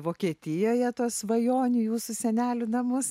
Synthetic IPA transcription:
ʋoːkʲiːt̪ʲɪjoːjɛt̪oːsʋɐjoːnʲujuːsʊsʲɛnʲæːlʲʊnɐmʊs

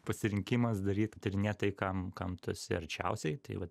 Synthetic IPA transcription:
pɐsʲɪɾʲɪŋʲkʲimɐsd̪ɐɾʲiːt̪t̪ɪɾʲnʲeːt̪ɐɪkɐmkɐmt̪osʲɪɐɾʲt͡ʃʲɛ̰ʊsʲɛɪt̪ɐɪʋɐt̪

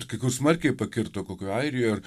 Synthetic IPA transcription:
kɐɪkʊrsmɐrʲkʲɛɪpɐkʲɪrt̪oːkoːkʲoːɐɪɾʲɪjoːɐr

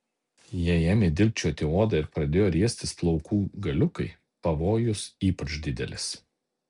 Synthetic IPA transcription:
jiɛɛmʲed̪ʲɪlʲpʲt͡ʃʲuːt̪ʲeoːd̪ɐɪɾpɾɐd̪ʲeːjoːɾʲiɛsʲt̪ʲɪsplˠɒʊkʰuːɡɐlʲʊkɐɪ | pɐʋoːjʊsiːpɐt͡ʃd̪ʲɪd̪ʲɛlʲɪs

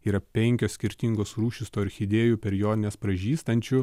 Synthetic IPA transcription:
iːɾɐpʲɛŋʲkʲoːsʲkʲɪɾʲt̪ʲiŋɡoːsɾuːʃʲɪst̪oːɪɾʲxʲɪd̪ʲeːjuːpʲɛɾjoːd̪ʲɪnʲeːspɾɐʒʲiːst̪ɐnʲt͡ʃʲʊ

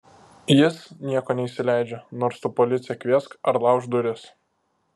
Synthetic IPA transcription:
jɪsnʲiɛkoːnʲɛiʃʲsʲɪlʲæˑɪd͡ʒʲonoːɾst̪upɔlʲɪt̪sʲɪjɛkʲʋʲiɛskɐɾlˠɑˑʊʒd̪ʊɾʲɪs

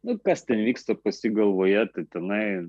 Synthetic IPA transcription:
nʊkɐst̪ʲɛnʋʲiːkst̪ɐpɐsʲɪɡɐlˠʋoːjɛt̪ɐɪt̪ʲɛnɐɪ

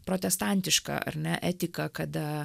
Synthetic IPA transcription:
pɾoːt̪ʲɛst̪ɑnʲt̪ʲɪʃkɐ̰ʔɐ̰ɾʲnʲɛʔɛːt̪ʲɪkɐkɐd̪ɐ

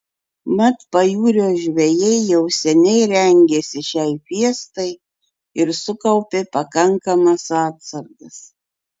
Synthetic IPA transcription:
mɐt̪pɐjuːɾʲoːʒʲʋʲɛjɛɪjɛʊsʲɛnʲɛɪɾʲɛŋʲɡʲesʲɪʃʲɛɪpʲiɛst̪ɐɪ | ɪɾsʊkɐʊpʲeːpɐkɐŋkɐmɐsɑːt̪sɐɾɡɐs

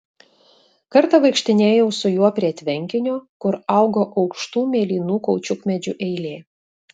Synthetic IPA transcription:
kɐɾt̪ɐʋɐɪkʃʲt̪ʲɪnʲeːjɛʊsʊjuɔpʲɾʲiɛt̪ʲʋʲɛŋʲkʲɪnʲoːkʊɾɐˑʊɡoːʔɒʊkʃt̪uːmʲeːlʲiːnuːkɔʊt͡ʃʲʊkmʲɛd͡ʒʲʊʔɛɪlʲeː

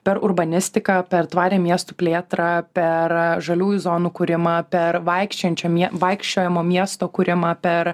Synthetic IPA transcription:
pʲɛɾʊɾbɐnʲɪsʲt̪ʲɪkɑpʲɛɾt̪ʋɑːɾʲeːmʲiɛst̪upʲlʲeːt̪ɾɐpʲɛɾʒɐlʲuːjuzoːnuːkʊɾʲɪmɐpʲɛɾʋɐɪkʃʲt͡ʃʲɛnʲt͡ʃʲɛmʲiɛʋɐɪkʃʲt͡ʃʲoːjɛmoːmʲiɛst̪oːkʊɾʲɪmɐpʲɛɾ

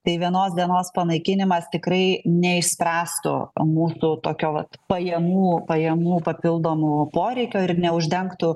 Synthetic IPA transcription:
t̪ɐɪʋʲiɛnoːsd̪ʲiɛnoːspɐnɐɪkʲɪnʲɪmɐst̪ʲɪkɾɐɪnʲɛɪʃʲsʲpʲɾʲæːst̪ʊ̰muːsʊt̪oːkʲoːʋɐt̪pɐjɛmuːpɐjɛmuːpɐpʲɪlˠd̪oːmʊːpoːɾʲɛɪkʲoːɪɾnʲɛʊʒʲd̪ʲɛŋkt̪ʊ

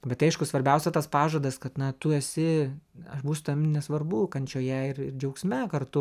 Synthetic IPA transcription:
bʲɛt̪ɐɪʃkʊsʋɐɾʲbʲɛʊsʲɛt̪ɐspɑːʒoːd̪ɐskɐt̪nɐt̪ʊɛsʲɪɐʃbuːsʊt̪ɐmʲnʲɛsʋɐrbʊkɐnʲt͡ʃʲoːjɛɪrɪrd͡ʒʲɛʊksʲmʲɛkɐrt̪ʊ

